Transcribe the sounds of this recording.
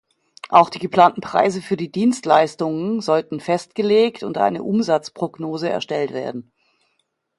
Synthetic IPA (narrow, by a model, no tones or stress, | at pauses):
ʔaʊxd̥iːɡəpl̥aːntn̩pʁ̥a̰ɪzəfyːɐdiːdiːnstlaɪstʊŋənzɔltn̩fɛstɡ̥əleːktʊntʔa̰ɪnə̰ʔʊmzat͡spʁ̥oɡnoːzəɛ̰ɐʃtɛltv̥eːɐdn̩